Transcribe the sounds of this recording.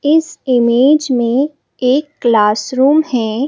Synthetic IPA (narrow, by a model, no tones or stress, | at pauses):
ɪsɪmeːd͡ʒmẽ | eːkːlaːsɾuːmhɛː